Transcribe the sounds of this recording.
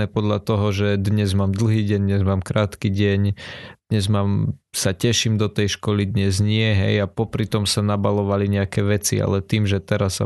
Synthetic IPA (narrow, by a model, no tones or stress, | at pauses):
ɛːpɔd̪ʎat̪ɔɦɔʒɛd̪ɲɛzmaːmd̪l̩ˠɦiːɟɛɲd̪ɲɛzmaːmkɾaːt̪kiɟɛɲd̪̥ɲɛzmaːmsacɛʃimd̪ɔt̪ɛjʃkɔlid̪ɲɛzɲɪɛɦɛ̰japɔpɾit̪ɔmsanabalɔʋaliɲɛakɛːʋɛt͡sḭa̰lɛt̪iːmʒɛt̪ɛɾasːa̰